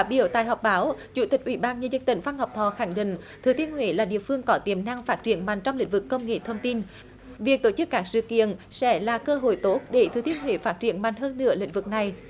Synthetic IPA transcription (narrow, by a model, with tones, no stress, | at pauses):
aː˨˧˩ɓḭ˧˩əwt̪a̰ː˧˨jɦɔ˨˩wk͡p̚ɓaː˨˦wt͡ɕṵ˧˩t̪ï˨˩k̟̚ʔwi˧˩˦ɓaː˧nɲɨ˧˨ɲzə˧nt̪ï˧˩ŋ̟fa˧nhɔ˨˩wp̚t̪ʰɔ˧˨xa˧˩ŋɗḭ̈˧˨ŋ̟ | t̪ʰɨ˨˩t̪i˧˥ənhwe˧˩˦laː˨˩ɗḭ˧˨əfɨ˧əŋkɔ˨˦t̪i˧˩əmna˧ŋfaː˦˥t̚t͡ɕi˧˩ənma˨˩jŋ̟t͡ɕɔ˧wŋ͡mlï˧˥ŋ̟vɨ˨˩kːə˧wŋ͡mŋḛ˧˨t̪ʰə˧wŋ͡mt̪i˧n | vi˨˩ək̚t̪o˧˩t͡ɕɨ˦˥kːaː˦˥k̚sɨ̰˧˨kḭ˧˨ənsɛ̰˧˥laː˨˩kəː˧ɦo̰˧˨jt̪o˦˥t̚ɗe˧˩t̪ʰɨ˨˩t̪i˧˩ənwe˧˨˦faː˦˥t̚t͡ɕi˧˩ənma˨˩jŋ̟ɦəː˧nːɨ̰˧˥əlḭ̈˧˥ŋ̟vɨ˨˩k̚na˨˩j